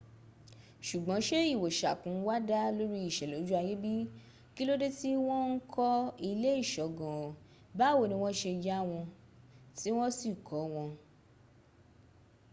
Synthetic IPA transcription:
ʃu˨ɡ͡bɔ̃˨˦ʃe˦i˦˨wo˨ʃa̰˨kũ˨˦wa˦da˦lo˦ɾi˦i˦˨ʃɛ˨lo˨˦d͡ʒu˦a˧je˦bi˦ | ki˦lo˦de˦ti˦w̃ɔ̃˦n̩˦kʰɔ˦i˧le˦i˦˨ʃɔ˨ɡɔ̃˨ | ba˦˨wo˦˨nĩ˧w̃ɔ̃˦ʃe˧d͡ʒa˦˨w̃ɔ̃˧ | ti˦w̃ɔ̃˦si˦˨kʰɔ˨˦w̃ɔ̃˧

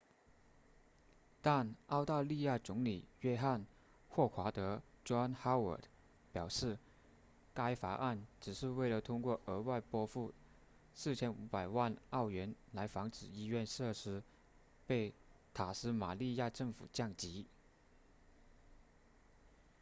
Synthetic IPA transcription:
t̪a˥˧nɑ˥˧ʊt̪a˥˧li˥˧ja˥˩t͡sʊ˧˥ŋli˨˩ɥɛ˥xa˥˧n | xwɔ˥˩xʰwa˧˥t̪ɤ˧˥ʈ͡ʂwa˥nxa˥ə̰˞˨˩˥t̪ | pjɑ˨˩ʊʂɻ̩˥˩ | ka˥ɪfa̰˧ʔa˥˩nʈ͡ʂɻ̩˨˩ʂɻ̩˥˧we˥˩ɪlə˩t̪ʰʊ˥ŋkwɔ˥˩ʔə˧˥wa˥˩ɪpwɔ˥fu˥˩ | sɹ̩˥˩t͡ɕʰjɛ˥nu˧˥pa˨˩ɪwa˥˧nɑ˥˩ʊɥɛ˧˥nla˧˥ɪfɑ˧˥ŋʈ͡ʂɻ̩˨˩i˥ɥɛ˥˧nʂɤ˥˩ʂɻ̩˥ | pe˥˩ɪt̪ʰa˨˩sɹ̩˥ma˨˩li˥˧ja˥˧ʈ͡ʂɤ˥˩ŋfṵ˨˩t͡ɕjɑ˥˩ŋt͡ɕi˧˥

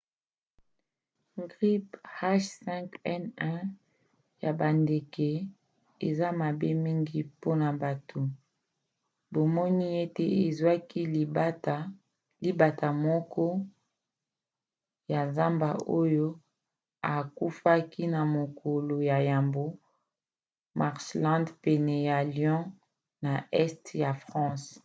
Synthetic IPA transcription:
ɡʁi˦pha˦ʃsɛ˦ŋkɛ˦nɛ˦ | ja˨ba˨nde˨ke˨ | e˨za˦ma˨be˦mi˦ŋɡi˨po˦na˨ba˨tʰo˨ | bo˨mɔ˦ni˦e˦te˨e˨zwa˦ki˦˨˦ta˨ | li˦ba˨ta˨mɔ˦kɔ˦ | ja˨za˦mba˨ʔo˦jo˦ | a˨ku˦fa˦ki˦na˨mo˨kʰo˨lo˨ja˨ja˨mbo˦ | ma˨ʁslã˦ndpɛ˨nɛ˨ja˨ljɔ̃˦ | na˨ʔɛ˦stja˨fʁɑ̃˦s

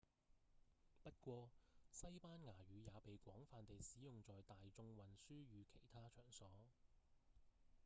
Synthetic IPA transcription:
pɐ˥t̚kʷɔː˧sɐ˥jpaː˥nŋaː˨˩ɥyː˨˧jaː˨˧pe˨jkʷɔː˨˥ŋfaː˨nt̪e˨jsiː˨˥jʊ˨ŋt͡ʃɔː˨jt̪aː˨jt͡sʊ˧ŋwɐ˨nsyː˥ɥyː˨˧kʰe˨˩jt̪ʰaː˥t͡ʃʰœː˨˩ŋsɔː˨˥

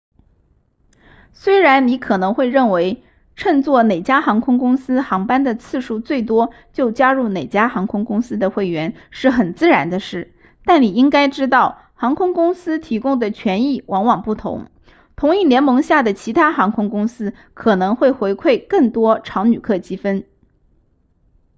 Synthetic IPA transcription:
swe˥ɪɻa˧˥nni˧˥kʰɤ˨˩nɤ˧˥ŋxwe˥˧ɪɻə˥˩nwe˧˥ɪ | ʈ͡ʂʰɤ˥˧ŋt͡swɔ˥˩ne˨˩ɪt͡ɕja˥xɑ˧˥ŋkʰʊ˥ŋkʊ˥ŋsɹ̩˥xɑ˧˥ŋpa˥nd̪ə˨t͡sʰɹ̩˥˧ʂu˥˧t͡swe˥˩ɪt̪̬wɔ˥ | t͡ɕjo˥˩ʊt͡ɕja˥ɻu˥˩ne˨˩ɪt͡ɕja˥xɑ˧˥ŋkʰʊ˥ŋkʊ˥ŋsɹ̩˥d̪ə˨xwe˥˩ɪɥɛ˧˥nʂɻ̩˥˩xə˨˩nt͡sɹ̩˥˩ɻa˧˥nd̪ə˧ʂɻ̩˥˩ | t̪a˥˩nni˨˩i˥ŋka˥ɪʈ͡ʂɻ̩˥t̪̬ɑ˥˩ʊ | xɑ˧˥ŋkʰʊ˥ŋkʊ˥ŋsɹ̩˥t̪ʰi˧˥kʊ˥ŋd̪ə˨t͡ɕʰɥɛ˧˥ni˥˩wʔɑ˧˥ŋwɑ˨˩ŋpu˥˩t̪ʰʊ̰˧˥ŋ | t̪ʰʊ˧˥ŋi˥˩ljɛ˧˥nmɤ˧˥ŋɕja˥˩d̪ə˩t͡ɕʰi˧˥t̪ʰa˥xɑ˧˥ŋkʰʊ˥ŋkʊ˥ŋsɹ̩˥ | kʰɤ˨˩nɤ˧˥ŋxwe˥˩ɪxwe˧˥ɪkʰwe˥˧ɪkɤ˥˩ŋt̪wɔ˥ʈ͡ʂʰɑ˧˥ʊny˨˩kʰɤ˥˩t͡ɕi˥fə˥n

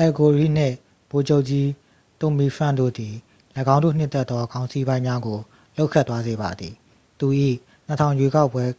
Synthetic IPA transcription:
ʔɛ˨ko˨ɹi˦˨n̥ɪ̰̃˦˨ | b̥o˨d͡ʑo˦ʊʔt͡ɕi˦ | t̪ʊ̃˨mi˦pʰɹã̰˦˨ndo̰˦˨d̪i˨ | lə˨ɡã˦ndo̰˦˨n̥ɪ̰̃˦˨t̪ɛ˦t̪ːɔ˦ɡã˦ʊ̃nsi˦bã˦ɪ̃ɲã˦ɡo˨ | lo˦ʊʔkʰːɛ˦ʔt̪wa˦ze˨ba̰˨d̪ði˨ | t̪u˨ʔḭ˦˨ | n̥ə˨tʰã˨ʊ̃jwe˦ka˦ʊpːwɛ˦

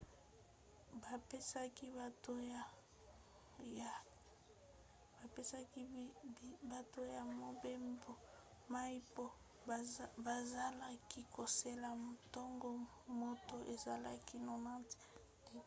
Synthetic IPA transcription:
ba˨pe˦sa˦ki˦ba˨to˦ja˨ | ja˨ | ba˨pe˦sa˦ki˦ | ba˨to˦ja˨mo˨be˦mbo˨ | ma˦i˦po˦ | ba˨za˦la˦ki˦ko˨se˦la˨m˨tɔ˦ŋɡo˦ | mo˦to˦ʔe˨za˨la˦ki˦no˨nã˦ti̥˨

